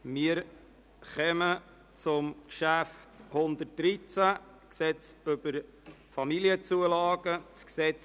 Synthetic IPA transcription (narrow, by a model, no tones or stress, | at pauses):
mɪəɾ | χɛmə | t͡sʊmkʃæfthʊnd̪ət̚d̥ɾit͡sæ | ksɛt͡sʏb̥əɾ | fɑmiliət͡suəlɑːɡ̥ət͡sksɛt͡s